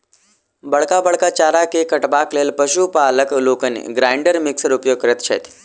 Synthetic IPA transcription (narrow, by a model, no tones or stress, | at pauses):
bəɭkabəɭkat͡ʃaːɾakekəʈbaːkleːlpəʃupaːləkloːkənḛɡɾaːɪɳɖəɾmɪksəɾʊpjoːɡ̚kəɾət̪t͡ʃʰḛːt̪